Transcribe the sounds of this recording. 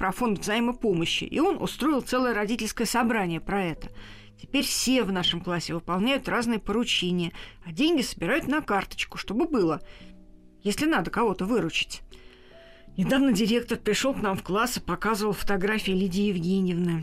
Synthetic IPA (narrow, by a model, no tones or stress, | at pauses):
pɾɐfo̞nt̪vzɐiməpo̞məɕːɪ̰ʔɪ̰o̞nʔʊ̰st̪ɾo̞ɪlˠt̪sɛlˠəjəɾɐdʲitʲɪlʲskəjəsɐbɾanʲɪjəpɾɐɛt̪ə̥ | tʲɪ̥pʲeɾʲfsʲe̞vn̪aʂəmklˠasʲːɪvɨpɐlˠnʲæjʊt̪raznɨjəpəɾʊt͡ɕenʲɪjəɐdʲenʲɡʲɪsə̥bʲɪɾajʊt̪nɐkart̪ə̥t͡ɕkʊ̥ʂt̪o̞bɨbɨlˠə | jesʲlʲɪnad̪əkɐvo̞t̪əvɨɾʊt͡ɕɪ̥tʲ | nʲɪd̪avnədʲɪɾʲe̞k̚t̪ərpɾʲɪʂo̞lˠknamfklˠasɨ̥pɐkazəvəlˠfə̥t̪aɡɾafʲɪɪlʲɪdʲɪjɪvɡʲenʲɪjɪvnɨj